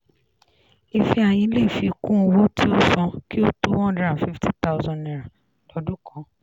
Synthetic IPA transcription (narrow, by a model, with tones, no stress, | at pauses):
i˨fi˧a˨j̃ĩ˧˦le˦i˨fi˧kũ˦˧wo˦ti˦o˦sɔ̃˧ki˦o˦tu˦wɔ̃˦dɾa˨fi˦fti˦t̪a˦ʊ˧zɔ̃˧nnĩ˨ɾa˨ | tɔ˧du˦kɔ̃˨˦